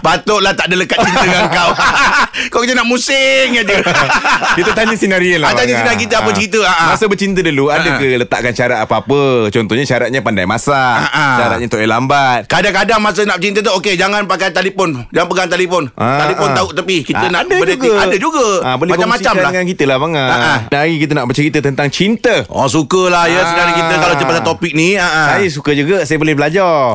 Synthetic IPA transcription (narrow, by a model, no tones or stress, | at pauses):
pat̪ʊʔlaht̪aʔdələkat̪̚t͡ʃint̪əŋaŋkaw | kawkit̪ənaʔmusɪŋjad͡ʒi | kit̪ət̪aɲəsinaɾiəlaat̪aɲəsinak̬it̪əapət͡ʃint̪əaʔamasəbərt͡ʃint̪ədəluadakələt̪a̰ʔkanʃaɾat̪̚apaapət͡ʃɔnt̪ɔhɲaʃaɾat̪̚ɲapanda̰jma̰saaʔaʃaɾa̰t̪̚ɲat̪oʔelambat̪̚kadaŋkadaŋmas̬ənaʔt͡ʃint̪ət̪uoked͡ʒaŋanpakajt̪alipɔnd͡ʒaŋanpəɡaŋt̪alifɔnat̪alifɔnnauʔt̪apikit̪ənadəeɡadəd͡ʒuɡabolɛmaamːat͡ʃamlaŋankit̪əlahbaŋaaaɡikit̪̬ənaʔbərt͡ʃəɾit̪ət̪ənt̪aŋt͡ʃint̪əɔ̰sukəlahjəsənaɾikitt̪əkalat͡ʃ̪əpasat̪opik̚niaʔasajəs̬ukəd͡ʒuɡasajəbolɛhbəlad͡ʒarr